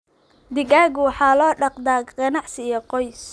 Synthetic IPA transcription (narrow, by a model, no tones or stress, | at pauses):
d̪ɪɡaːɡʊwɑħɑːlɔːɖɑqd̪aːɡɡɐnɑʕsɪjɔqɔjs